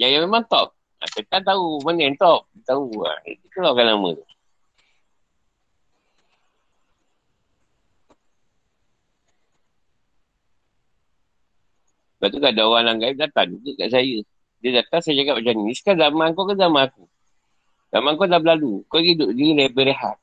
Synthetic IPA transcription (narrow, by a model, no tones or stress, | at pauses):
jajamemant̪ɔp̚ | a̰sat̪ant̪aumanɛnt̪ɔp̚dit̪aua̰ḭt̪ikəlakanlamə̰̃t̪u | bat̪ukadaowanlaŋɡaip̚dat̪aniɡəkaʔsajə | dədat̪aŋsajd͡ʒakap̚d͡ʒaniiskanzamãŋkɔkanzamãaku | za̰mãŋkɔdab̚lalukɔɡidoʔ̚dilɛbəɾeɦa̰t̪̚